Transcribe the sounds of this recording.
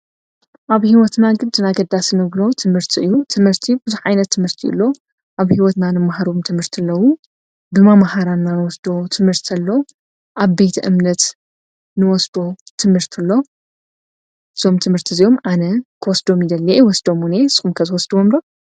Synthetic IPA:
ʔaβhiwɔt̪naɡɨnt̪ʰɨnaɡɐd̪asɨnɨβlo̞t̪ʰɨmhɨɾt̪ʰiʔɨjːut̪ʰɨmhɨɾt̪ʰibɨzuħʕajnɐt̪ʰːɨmhɨɾt̪ʰiɨ̰lːo̞ | ʔaβhiwɔt̪nanɨmahaɾomt̪ʰɨmhɨɾt̪ʰilːɐwu | bɨmamahaɾannanwɔsd̪o̞t̪ʰɨmhɨɾt̪ʰɐlːo̞ | ʔaβbe̞t̪ʰiʔɨmnɐt̪ | nɨwɔsd̪o̞t̪ʰɨmhɨɾt̪ʰilːo̞ | ɨz̥o̞mt̪ʰɨmhɨɾt̪ʰizijo̞mʔanɐkʰɨwɔsd̪omjid̪ɐlːɐewɔsd̪o̞mune̞sxumkʰɐzɨwɔsd̪uwomlo

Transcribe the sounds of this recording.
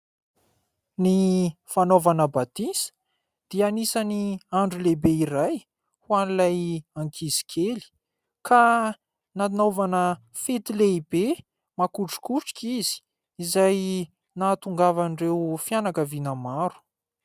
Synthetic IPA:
nifanovanəbat̪isə̥ | d̪̥ianisaniaɳɖ͡ʐulebeiɾaj | hwanilajaŋkʰizi̥kʰeli̥ | ka | nanovanə | fet̪ileibe | makuʈ͡ʂu̥kuʈ͡ʂi̥kʲiz̥i̥ | izaj | nat̪uŋɡavanrewfjanakəvinamaɾu̥

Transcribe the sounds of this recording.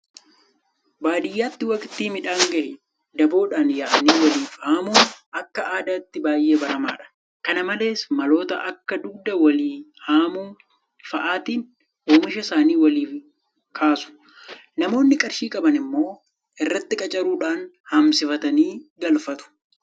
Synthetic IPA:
baːd̪ɪjːaːt̪ːɪwɐkɪt̪ːiːmɪᶑaːŋɡɐʔɪ | d̪ɐbo̞ːᶑaːnjaːʔɐniːwɐliːfaːmuːnɐkːɐʔaːd̪aːt̪ːɪbaːjʔe̞ːbɐɾɐma̰ːᶑɐ̥ | kɐnɐmɐle̞ːsmɐlo̞ːt̪ɐʔɐkːɐd̪ʊɡ̚d̪ɐwɐliːhaːmuːn | fɐʔaːt̪iːn | ʔoːmɪʃɐsaːniːwɐliːf | kʰaːsʊ̥ | nɐmo̞ːnːɪkʼɐɾʃiːkʼɐbɐnɪmːo̞ː | ʔɪrːɐt̪ːɪkʼɐt͡ʃʼɐɾuːᶑaːn | hɐmsɪfɐt̪ɐniːɡɐlfɐt̪ʊ̥

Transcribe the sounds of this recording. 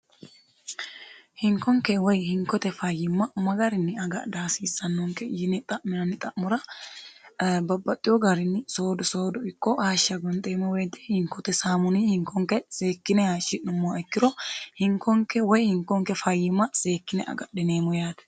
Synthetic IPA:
hɪŋkɔŋkɛwɔjhɪŋkɔt̪ɛfɐjɪmːɐmɐɡɐɾɪnːɪɐɡɐ̰d̪aːsiːsɐnːɔŋkɛjɪnɛt̪ʼɐʔmɪnɐnɪt̪ʼɐʔmʊɾɐ | bɐbːɐt̪ʼːɪjɔɡɐɾɪnːɪso̞ːd̪ɔso̞ːd̪ɔɪkːɔhaːʃːɐɡɔnt̪ʼeːmɔwɛjt̪ːɛ̥hɪŋkɔt̪ɛsaːmʊniːhɪŋkɔŋkɛse̞ːkːɪnɛhaːʃɪnːʊmːoːɛkːɪɾɔhɪŋkɔŋkɛwɔjhɪŋkɔŋkɛfɐjɪmːɐse̞ːkːɪnɛ̰ʔɐ̰ɡɐ̰ɗɪneːmʊjaːt̪ɛ̥

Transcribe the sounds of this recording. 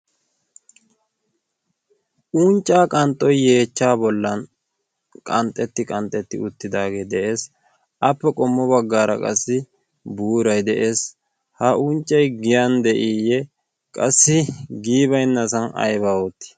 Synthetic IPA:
ʔunt͡ʃʼːaːkʼɐnt̪ʼːɔjːe̞ːt͡ʃːaːbɔlːɐn | kʼɐnt̪ʼːɛt̪ːɪkʼɐnt̪ʼːɛt̪ːɪ̰ʊt̪ːɪd̪aːɡeːd̪ɛʔe̞ːs | ɐpːɛkʼɔmːɔbɐɡːaːɾɐ̰kʼɐ̰sːɪ | buːɾɐjd̪ɛʔe̞ːs | hɐʔunt͡ʃʼːɐjɡɪjɐnd̪ɛʔijɛ | kʼɐsːɪɡiːbɐjnːɐsɐnɐ̰jβaːʊt̪ːɪ̥

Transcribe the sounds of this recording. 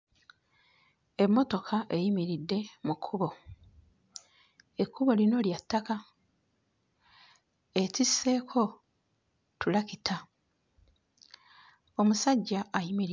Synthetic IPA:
e̞mːo̞to̞kʰaʔejimiɾidːe̞mukʰːuβo̞ | e̞kːuβo̞lino̞ljatːaka | e̞cisːe̞kʰo̞ | tulakitʰa | omusaɟːaːjimiɾ

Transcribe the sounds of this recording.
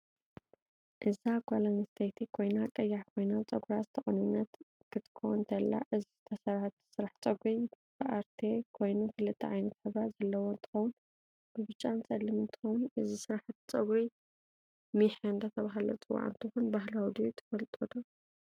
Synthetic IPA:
ʔɨzaɡʷalanist̪ʰejt̪ʰikʰo̞jnakʼɐjːaħkʰo̞jnat͡sʼɐɡɾazɨt̪ʰɐxʼɐnunːɐt̪ | kʰɨt̪ʰɨ̥kʰownt̪ʰɐlːa̰ʔɨzizt̪ʰɐsɐɾat̪sɨɾaħt͡sʼɐɡʷuj | bɨʔaɾt̪ʰekʰo̞jnukʰɨlɨt̪ʰːɐ̰ʕajnɐt̪ħɨβɾazɐlːɐwoɨnt̪ʰɨ̥xɐwʊn | bɨβɨt͡ʃʼːansʼɐlːɨmɨnt̪ʰɨ̥xɐwunʔɨzisɨɾaħt͡sʼɐɡuj | miħɨnd̪ɐt̪ʰɐβaɦalo̰t͡sʼɨwa̰ʕ̰nt̪ʰɨxunbaɦlawd̪ijt̪ʰɐ̥fɐlt̪ʼod̪ɐ

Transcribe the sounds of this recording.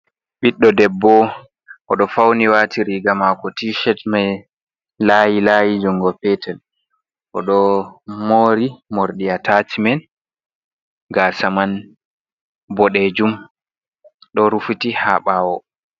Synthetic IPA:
ɓiɗːɔdɛbːɔ | ʔɔɗɔfawniwaːtʰiɾiɡamakɔtiʃɛtmɛ | lajilajid͡ʒɔŋɡɔpɛtɛl | ʔɔɗɔmoːɾimoɾɗiatatimɛn | ɡasaman | bɔɗɛd͡ʒum | ɗɔɾufutiha̰ɓawɔ

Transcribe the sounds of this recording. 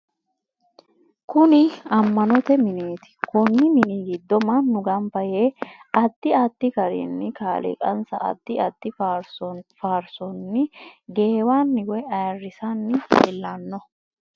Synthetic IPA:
kʊnɪɐmːɐnɔt̪ɛmɪneːt̪ɪ̥kʊnːɪmɪniːɡɪd̪ːɔmɐnːʊɡɐmpɐjeːɐd̪ːɪɐd̪ːɪkɐɾḭnːɪkaːlɪ̰kʼɐ̰nsɐ̰ɐ̰d̪̥ːɪɐd̪ːɪ | faːɾsɔnːɪɡeːwaːnːɪɡɔɛɐjɐrːɪsɐnːɪɛlːɐnːɔ

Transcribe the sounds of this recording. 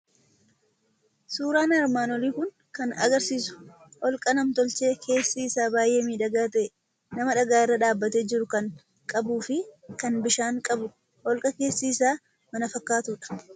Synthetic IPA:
suːɾaːnɐɾmaːnɔliːkʊŋ | kɐnɐ̰ɡɐɾsiːsʊ̥ | ʔɔlkʼɐnɐmt̪ɔlt͡ʃe̞ːkʰe̞ːsːiːsaːbaːjʔe̞ːmiːᶑɐɡaːt̪ɐʔɛ | nɐmɐᶑɐɡaːɪrːɐᶑaːbːɐt̪eːd͡ʒɪɾʊkɐŋ | kʼɐbuːfɪkɐnbɪʃaːŋkʼɐbʊ | ʔɔlkʼɐke̞ːsːiːsaː | mɐnɐfɐkːaːt̪uːᶑɐ̥

